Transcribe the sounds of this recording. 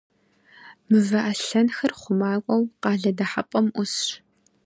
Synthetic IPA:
mɨvɐʔɐɬɐnxɐrχʷʊmaːkʷʼɔwqɑːɮɐdɐħapʼɐmʔʷʊsɕ

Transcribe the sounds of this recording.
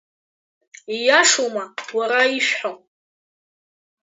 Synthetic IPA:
ijaʂomawaɾaiʃᶣħo

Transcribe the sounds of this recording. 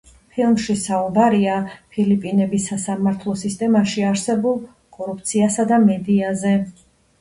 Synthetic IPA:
pʰilˠmʃisaubaɾiapʰilipʼinɛbisːasamaɾt̪ʰlˠɔsist̪ʼɛmaʃiaɾsɛbulˠ | kʼɔɾup̚ʰt̪sʰiasad̪amɛd̪iazɛ

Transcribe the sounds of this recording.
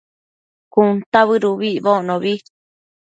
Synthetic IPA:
kunt̪aβɨɾuβiβoʔnõβi

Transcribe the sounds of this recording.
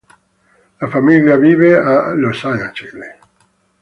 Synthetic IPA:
lafamiljaviːvealosajãnt͡ʃele

